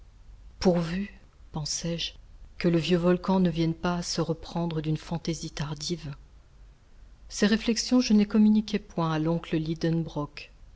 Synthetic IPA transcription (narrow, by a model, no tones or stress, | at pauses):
puʁvy | pɑ̃sɛʒkələvjøvɔlkɑ̃nəvjɛnpaːsəʁəpχɑ̃d̪ʁəd̪ynfɑ̃t̪ezit̪aʁd̪iv | seʁeflɛksjɔ̃ʒənəkɔmynikʲɛpwɛ̃alɔ̃kləlid̪ənbʁɔk